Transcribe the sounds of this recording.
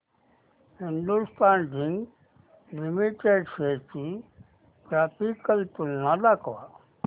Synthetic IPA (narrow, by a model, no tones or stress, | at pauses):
hind̪ust̪aːnɖiŋɡ | limiʈeɖset͡ʃi | kɾaːpʰikəlt̪ulnad̪akʋa